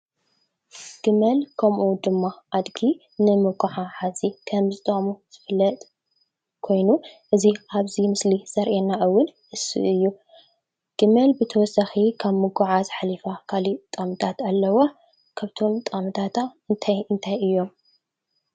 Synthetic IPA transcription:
ɡ̥ɨmɐlkʰɐmʔud̪ɨmːaad̪ɡi | nɨmɨɡuʕaħazikʰɐmzɨt̪ʼamuz̥ɨ̥fɨlːɐt̪ʼ | kʰo̞jnuʔɨziʔaβzimɨsliz̥ɐɾʔenːaʔɨwːʊnʔɨsɨ̰ʔɨjːu | ɡ̥ɨmɐlbɨt̪ʰɐwɔsɐxikʰaβmɨɡʊʕazħalifakʰalit̪ʼamɨt̪ʰat̪alːɐwa | kʰaβt̪ʰo̞mt̪ʼamɨt̪ʰat̪ʰaɨnt̪ʰajɨnt̪ʰajɨjːo̞m

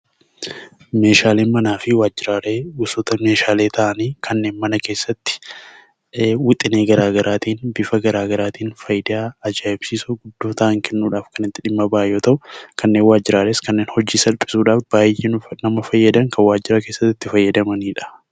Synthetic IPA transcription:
me̞ːʃaːleːnmɐnaːfɪwaːd͡ʒːɪɾaːɾeːʊsoːt̪ɐme̞ːʃaːleːt̪ʰɐʔɐniːkʰɐnːe̞ːnmɐnɐke̞ːsːɐt̪ːɪ̥ | wʊt̪ʼːɪne̞ːɡɐɾaːɡɐɾʔaːt̪iːnbɪfɐɡɐɾaːɡɐɾaːt̪iːnfɐjd̪aːɐd͡ʒaːʔɪbsiːsʊɡʊd̪ːoːt̪ɐʔɐŋkʰɛnːuːᶑaːfkɐnɪt̪ːɪᶑɪmːɐbaːjːoːt̪ɐʔʊkʰɐnːe̞ːnwaːd͡ʒːɪɾaːɾe̞ːskɐnːe̞ːnhɔd͡ʒːiːsɐlpʼɪ̥suːᶑaːfb̥aːjenʊnɐmɐfɐjːɐd̪ɐŋkɐwaːd͡ʒːɪɾɐke̞ːsːɐt̪ːɪt̪ːɪfɐjːɐd̪ɐmɐniːᶑɐ̥

